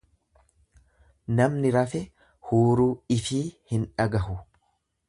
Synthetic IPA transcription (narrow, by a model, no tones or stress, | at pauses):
nɐmnɪɾɐfɛ | huːɾuːɪfiːhɪnᶑɐɡɐɦʊ